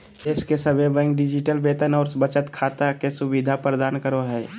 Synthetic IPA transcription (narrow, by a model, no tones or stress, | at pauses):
eːskesəbebɛ̃ŋk̚ɖɪd͡ʒɪʈəlbeːt̪ənɔːɾsbət͡ʃət̪kʰaːt̪akesʊbɪd̪ʱapɾəd̪aːnkəɾoɦɛː